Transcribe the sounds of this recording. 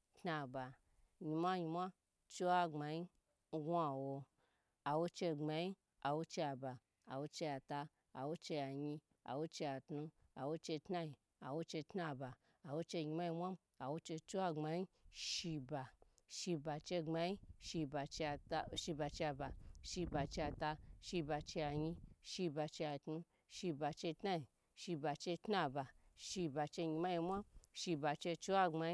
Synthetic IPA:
tna˧ba˨ | ɲi˧mʷa˦ɲi˧mʷa˦ | t͡ʃo˦wa˧ŋ͡ma˧ji˦ | ɡʷa˧wo˧ | a˨wo˧t͡ʃe˧ŋ͡ma˧ji˦ | a˨wo˧t͡ʃe˧ja˨ba˨ | a̰˨wo˧t͡ʃe˧ja˨ta˧ | a̰˨wo˦t͡ʃe˧ja˨ɲi˧ | a̰˨wo˧t͡ʃe˧ja˨tnu˧ | a̰˨wo˧˦t͡ʃe˧tna˧˦ji˧˨ | a̰˨wo˧˦t͡ʃe˧tna˧ba˨ | a˨wo˧t͡ʃe˧ɲi˧mʷa˦ji˧mʷa˦m | a˨wo˧t͡ʃe˧t͡ʃo˦wa˧ŋ͡ma˧ji˦ʃi˧ba˨ | ʃi˧ba˨t͡ʃe˧ŋ͡ma˧ji˦ʃi˧ba˨t͡ʃe˧tʃi˧ba˨˧t͡ʃe˧a˧ba˨ʃi˧ba˨t͡ʃe˧a˧ta˧ʃi˧ba˧t͡ʃe˧a˨ɲi˧ʃi˧ba˧t͡ʃe˧a˨tnu˧ | ʃi˧ba˨t͡ʃe˧tna˦i˨ | ʃi˧ba˨t͡ʃe˧tna˦˧ba˨ʃi˧ba˨t͡ʃe˧ɲi˧ma˦ji˧mʷa˦mʃi˧ba˨t͡ʃe˧t͡ʃu˦wa˧ŋ͡ma˧i˦

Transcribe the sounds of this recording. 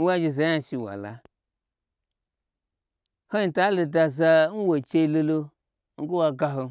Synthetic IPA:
n̩˦wa˦d͡ʒe˧za˨˦ɲa˧˨ʃi˨wa̰˨la̰˨˧ | ho˦i˨ta˨˦lo˧da˧za˧˦n̩˦wo˨t͡ʃe˧i˧˦lo˧lo˧ | ŋ̩˦ɡo˦wa˧ɡa˧ɦo˧

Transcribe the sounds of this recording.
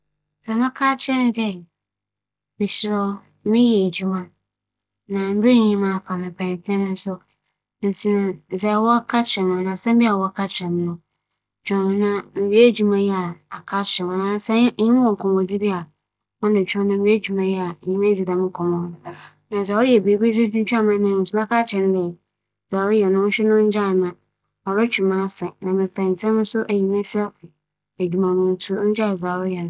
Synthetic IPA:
sa˨mã˦kʰaː˦t͡ɕʰɛ˦nɪ̃˦ɡɛ˦ | bi˨sɪ˨ɾɔ˦ | mɪ̃˦jɛ˨d͡ʑu˦mã˦ | nã˨m̩˦be˦ɲ˨ɲĩ˦mã˦˨fa˨mɪ̃˨pʰã˨n˨tʰɛ̃˦nʊ̃˦n̩˦sʊ˦˨ | n̩˨sʰi˨nã˨zɛ˨wɔ˦kʰa˦t͡ɕʰɛ˨mã˨nã˨sã˦m̩˦bi˦a˨wɔ˦a˦kʰa˦t͡ɕʰᶣɪ˨ɛ˨m˦nʊ̃˨ | t͡ʃᶣɔ̃˨ñ˨nã˦m̩˨bi˦e˦d͡ʑᶣu˨mã˨jɛ˦a˨a˨kʰa˦t͡ɕʰɪ˨ɛ˨mã˨nã˨˦sa˦ɲĩ˦m˦wɔ̃˨ŋ̩˨kʰɔ̃˨m˨ɔ˨d͡zi˦bi˦a˨ | mã˦n˦dɪ˨t͡ʃᶣʰɔ̃˦n˦ã˦m̩˦i˦e˦d͡ʑᶣu˨mã˨jɛ˦a˨ɲĩ˦mɛ̃˦d͡zi˨dã˨m˦ŋ̩˦kʰɔ̃˨mɔ̃˦nʊ̃˦ | nã˨za˨wɾi˦ɛ˨be˨˦bi˦d͡zi˦tĩ˦t͡ɕᶣu˦a˦mã˦nɪ̃˦˨su˦ã˦kʰa˦t͡ɕʰɪ̃˨n˦dɪ˨ | za˨wjɛ˨nʊ̃˦ɕᶣɛ˦nʊ̃˦n̩˦d͡ʑa˦˨nã˨ | ɔ˨ɾɔ˦t͡ɕʰᶣu˨mã˦sɛ̃˨nã˨mɪ̃˨fã˨n̩˨tʰɛ̃˦nʊ̃˦sʊ˦ʔæ˨ji˨mɛ̃˦sɛ˦lfɪ˨ | e˨d͡ʑᶣi˨mã˨mʊ̃˦n˦tʰu˦ɲ̩˦d͡ʑɪ˦a˨za˨wʊ˦ɾjɛ˨nʊ̃˦

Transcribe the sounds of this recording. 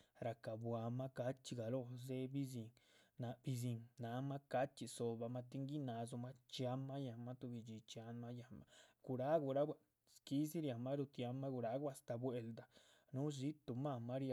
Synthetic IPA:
ɾa˨ka˨bwa˨ma˦ka˦t͡ʃi˧ɡa˨lo˧˨ze˦bi˦z̬i˧ŋna˧b̥i˧z̬i˧ŋna˧˦ma˦ka˦t͡ʃi˨so˧ba˧ma˦˧t̪i˦ŋɡi˦na˧z̬u˧ma˦t͡ʃja˧mːa˦ja˧ma˦t̪u˧bi˧d͡ʒi˧t͡ʃa˧˦nma˦ja˧˨ma˧ɡ̥u˧ɾa˦ɡu˧˨ɾa˦w | ski˧˦si˦ɾja˨ma˦ɾu˧t̪ja˧mːa˦ɡu˧ɾa˧˦ɡu˦a˧st̪a˨˧bwe˧ld̪a˨ | nu˦zi˦t̪u˨ma˧˨ma˦ɾa˧

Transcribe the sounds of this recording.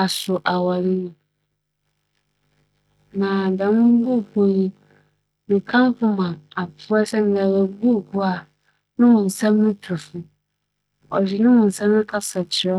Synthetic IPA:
a˨sʊ˨ʔa˨wa˨li˦nĩ˨ | nã˨dã˨mʊ̃˦bu˦˨ku˨˦nĩ˦ | mĩ˨kʰã˦m˦kʊ̃˦mã˨a˨pʰʊ˦ɛ˦sɛ˦n˨ɡa˨wɛ˨˦bu˦˨ku˦a˨ | nʊ̃˦mʊ̃˨n̩˨sɛ̃˦mnʊ̃˦tʰʊ˨fʊ˨ | ɔ˨d͡ʑi˨nʊ̃˦mʊ̃˨n̩˨sɛ̃˦m˦nʊ̃˦kʰa˦sa˨t͡ɕʰɪ˨ɾɔ˦

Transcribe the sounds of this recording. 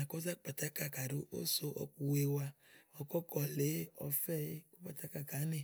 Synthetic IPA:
a˨kɔ˦za˦k͡pa˨ta˦ka˦ka˨ɖu˦ʔo̰˦so˦ʔɔ̰˨ku˨we˦wa˦ɔ˨kɔ˦kɔ˨le˨˦ɔ̰˨fɛ˦˨˦ku˦k͡pa˨ta˦ka˦ka˨˦ne˨

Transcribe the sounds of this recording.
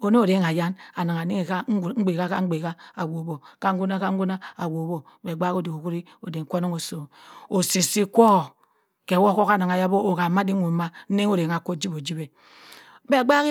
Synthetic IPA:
o˨ne˦o˨ɾe˦ŋa˨ja˦na˨na˨ŋa˨ni˦ŋe˨ka˦˨ŋ̩˦ɡ͡be˨ka˦ka˦ŋ͡m̩˦ɡ͡be˨ka˦a˨wo˨bo˨ka˦ŋ̩˦ɡʷu˦na˦ka˦ŋ̩˦ɡu˦na˦a˨wo˨˦bo˨ | be˨ɡ͡ba˦ko˦˨di˨o˨ku˦ɾi˦ | o˨de˨ŋ̩˨kʷo˦no˦ŋo˨so˨o˨si˨si˦kʷo˦˨ | ke˨˦wo˦ko˦ka˨na˨ŋa˨ja˦bo˦o˨ka˨ma˦di˦u˨˦ma˦n̩˦ne˦ŋo˦ɾe˨ŋa˨ko˦d͡ʒi˦bo˨d͡ʒi˦be˨ | be˦˨ɡ͡ba˦k

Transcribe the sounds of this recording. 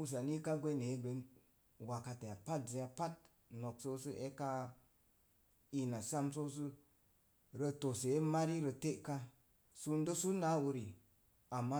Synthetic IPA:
u˧s̬a˨ni˦ka˦ɡʷe˦ne˨˦be˨˦n | wa˨ka˧te˨ja˨pa˦t̚ze˧ja˧pa˦t̚ | no˨kso˦sɨ˦ʔe˦ka˧ | i˧na˨sa˦mso˦s̬ɨ˦ | ɾə˧to˨se˨e˦ma˦ɾi˦ɾə˧te˦ʔka˦ | su˧n˦do˦su˦na˨˦wu˧ɾi˨ | a˨mːa˦

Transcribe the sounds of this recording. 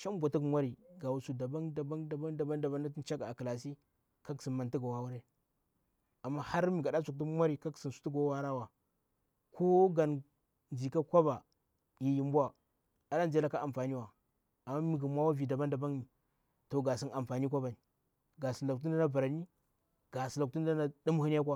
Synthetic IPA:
ʃa˦mbʷa˨ti˦kmʷa˦ɾi˨ɡa˨wu˨su˨da˨ba˦nda˨ba˦nda˨ba˦da˨ba˦nda˨ba˦na˦ti˦n˦t͡ʃa˦ɡa˨a˨ka˨la˨s̬i˦ | ka˦ksi˨nma˨nti˦ɡa˨wa˦wu˦ɾe˦ | a˨mːa˦ha˦ɾmi˨ɡa˨ɗa˦su˨k̚ti˦kmʷa˦ɾi˨ka˦ksi˨n˨su̥˨tu˦ɡo˨˦wa˦ɾa˦wa˨ | kʰo˦ɡa˨n | n˨i˨ka˦kʷa˦ba˨ | ji˨ji˨mbu˦wa˨ | a˨ɗa˦nzi˨˦a˦la˦ka˦a˨mfa˨ni˦wa˨ | a˨mːa˦mi˨ɡa˨mʷ˦a˦wa˦vi˨da˨ba˦nda˨ba˦ŋni˨ | to˨ɡa˨si˦na˨mfa˨ni˦k̬ʷa˦ba˨ni˨ | ɡa˨si˨n˨la˨k̚t̬u˦da˦na˦ba˨ɾa˨ni˦ | ɡ̥a˨si˨la˨k̚tu˦nda˦na˦du˦m˦hi˦n˦ja˦k̬ʷa˦

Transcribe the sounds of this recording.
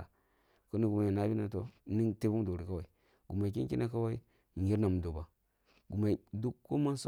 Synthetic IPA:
a˨ | ko˦ni˦ɡu˨ma˨jna˦bi˦na˨to˦ni˦te˦bu˦m˦do˨ɾi˨ka˦wa˨i˨ | ɡu˨ma˨ki˦ŋ˦ki˦na˦ka˦wa˦i˦˨ | ji˦ɾna˨m˨do˨ba˨ | ɡu˨ma˨i˨du˦kːo˦ma˦n˦so˦

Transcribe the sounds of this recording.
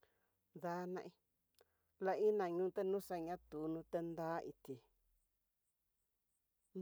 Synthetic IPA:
ða˧nã˧ʔĩ˧ | la˧i˦nã˨ɲũː˦t̪e˦nũ˦sa˧ɲã˦t̪u˨˦nũ˧t̪e˧nd̪a˦ʔi˧t̪i˨

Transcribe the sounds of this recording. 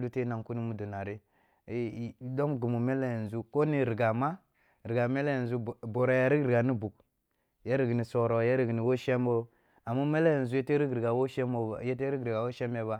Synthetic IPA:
lu˦te˦na˨ŋku˦ni˦mu˦du˨na˨ɾi˦˨˦ | do˦mɡi˨mu˨me˦le˦jn˨zu˦ko˦ni˦˨ɾi˨ɡa˨ma˦ | ɾi˨ɡa˨me˦le˦ja˨n˨zu˦˨bo˨ɾa˨ja˨ɾi˦ɡɾi˨ɡa˨ni˦bu˨k | je˦ɾi˨ɡi˨ni˨so˨ɾo˨je˦ɾi˨ɡni˨wo˦ʃe˦mo˦ | a˨ma˦me˦le˦jn˨zu˨˦je˦te˦ɾi˦ɡɾɡa˨wo˦ʃe˦mo˨je˦te˦ɾi˦ɡɾi˨ɡa˨wo˦ʃe˦me˨ba˦

